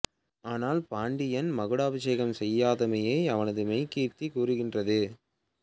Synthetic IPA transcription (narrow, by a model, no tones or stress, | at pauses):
aːnaːlpaːɳɖɪjɐnmɐɣɯɽaːbɐʃeːɣɐmsɛjːaːðɐmɐjeːɐʋɐnɐðɯmɐɪkiːrt̪ikuːrɯɣɪndrɐðɯ